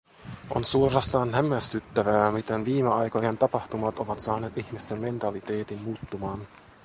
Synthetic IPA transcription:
ʔo̞̰nsuorɑst̪ɑːnɦæmːæst̪yt̪ːæʋæːmit̪enʋiːmeɑjkojent̪ɑpɑht̪umɑt̪o̞ʋɑt̪sɑːne̞ːt̪içmist̪emːme̞nt̪ɑlit̪e̞ːt̪imːuːt̪ːumɑːn

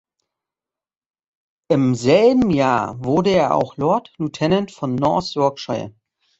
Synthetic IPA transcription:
ʔɪmzɛlbm̩jaːɐvʊɐdəeːɐʔa̰ʊxlɔɐtlutʰɛnəntfɔnːɔɐsz̥ɔɐkʃaɪə̰

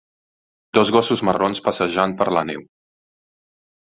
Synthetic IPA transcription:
d̪̥ɔzɣɔsuzməronspəsəʒampəɾlənḛw

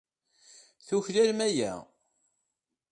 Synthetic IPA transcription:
θuçlælmæjæ̰

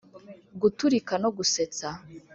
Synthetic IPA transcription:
ɡutuɾikano̞ɡuse̞t͡sa

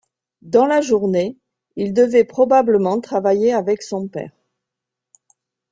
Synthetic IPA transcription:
d̪ɑ̃laʒuʁne | ild̪əvɛpχɔbabləmɑ̃t̪χavajeavɛksɔ̃pɛ̰ːʁ

